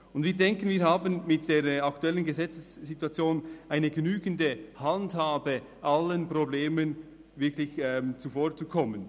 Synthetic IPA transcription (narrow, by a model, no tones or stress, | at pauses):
ʊndviːɐdɛŋkən̩viːɾɦaːbənmɪt̚d̥eːɾɑktuɛlənɡəzɛt͡səsːituat͡sjoːnʔaɪnəɡənyːɡəndəhandhaːbə | ʔalənprobleːmən | vɪɾkʰlɪçɛːmt͡sufoːɾt͡sukʰɔmən